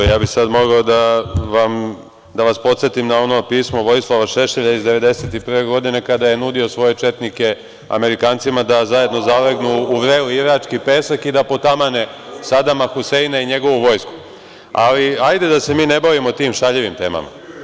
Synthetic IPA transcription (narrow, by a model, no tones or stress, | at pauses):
jaːbixsad̪mo̞ɡaod̪aʋam | d̪aʋaspo̞t̪set̪imnao̞no̞piːsmo̞ʋo̞jislˠaʋaʃe̞ʃeʎaizd̪e̞ʋe̞d̪e̞se̞t̪ipr̩ʋe̞ɡo̞d̪ine̞kad̪aje̞nud̪io̞sʋo̞je̞t͡ʃe̞t̪nike̞ | a̰me̞ɾikaːnt̪simad̪azaje̞d̪no̞zaleɡnuːʋɾeːliiɡɾat͡ʂkipe̞ːsakid̪apo̞t̪amane̞sad̪amaxuse̞inaiɲe̞ɡo̞ʋuʋo̞jsku̥ | a̰liajd̪e̞d̪ase̞miːne̞baʋimot̪iːmʃaʎeʋimt̪e̞̰ːma̰ma̰